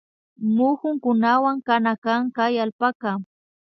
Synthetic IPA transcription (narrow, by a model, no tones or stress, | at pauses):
mʊxʊŋkʊnawaŋkanakaŋkajalpaka